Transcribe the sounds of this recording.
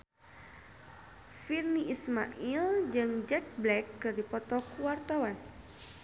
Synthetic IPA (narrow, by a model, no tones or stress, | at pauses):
firniʔisma̰ʔild͡ʒɨŋd͡ʒɛk̚blɛkːɨrdipɔt̪ɔkuwart̪ɔwan